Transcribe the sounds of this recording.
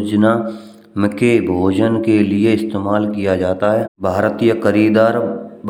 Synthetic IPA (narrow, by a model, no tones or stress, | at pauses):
d͡ʒna | mɪkebʱoːd͡ʒənkelieɪst̪eːmaːlkijad͡ʒaːt̪aɦɛːbʱaːɾt̪ijəxəɾiːd̪aːɾb